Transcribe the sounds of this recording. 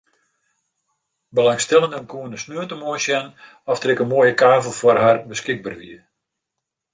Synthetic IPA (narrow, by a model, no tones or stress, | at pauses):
bəlaŋstɛlˠəndəənkuənəsnøətəmoənsjɛn | ɔftrɪkənmoəjəkaːvəl̩ˠfwɔrharbəskɪɡ̚ba̰rʋḭə